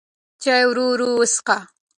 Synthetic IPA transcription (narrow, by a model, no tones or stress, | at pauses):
t͡ʃajwɾuɾuəsqa